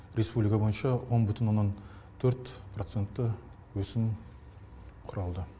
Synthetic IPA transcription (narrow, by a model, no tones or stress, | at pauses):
ɾe̞spublijkabo̞jənʃɑwo̞nbʏt̪ɪnwo̞nːɑn | t̪ʰɵɾt̪pʰro̞t̪se̞nt̪ːə | wɵsɪm | qʰʊɾɑlˠd̪ə